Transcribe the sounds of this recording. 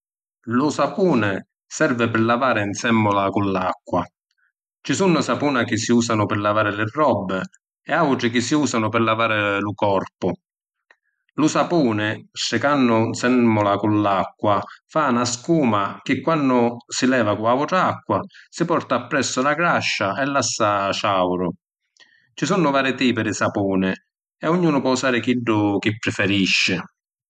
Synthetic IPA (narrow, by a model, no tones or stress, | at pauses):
lʊsapuːnɪ | sɛrvɪpɪɾlavaːɾɪnsɛmːʊlakʊnlakːwa | t͡ʃisunːʊsapuːnak̟ɪsːiuːsanʊpɪɾlavaːɾɪlɪrːɔbːɪ | ɛawʈ̪ɾɪk̟ɪsːiuːsanʊpɪɾlavaːɾɪlʊkɔrpʊ | lʊsapuːnɪsɪkanːʊnsɛmʊlakʊnlakːwafanaskuːmak̟ɪkːwanːʊsɪlɛːvakʊaʊʈɾakːwasɪpɔrt̪aːpːɾɛsːʊlaɡɾaʃːaʔɛlːasːaʃawɾʊ | t͡ʃisunːʊvaːɾɪt̪iːpɪɾɪsapuːnɪ | ɛʊɲːuːnʊpwɔusaːɾɪk̟iɖːʊk̟ɪpːɾɪfɛɾiʃːɪ